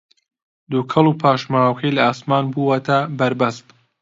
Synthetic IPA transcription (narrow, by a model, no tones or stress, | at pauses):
d̪ukʰɐlˠupʰaːʃmaːwkʰɐjlɐaːsmaːnbuwɐt̪ʰɐbɐɾbɐst̪